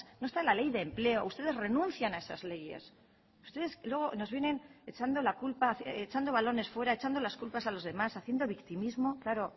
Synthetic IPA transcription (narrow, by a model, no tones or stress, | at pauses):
no̞est̪alale̞jðe̞mple̞o̞ust̪e̞ð̞e̞zre̞nũnθjanae̞sazle̞je̞̰s | u̥st̪e̞ðe̞slwe̞ɣo̞no̞zβje̞ne̞ne̞t͡ʃand̪o̞lakulpaθt͡ʃand̪o̞βalo̞ne̞sfwe̞ɾaet͡ʃand̪o̞laskulpasalo̞zðe̞masaθje̞nd̪o̞β̞ikt̪imizmo̞klaɾo̞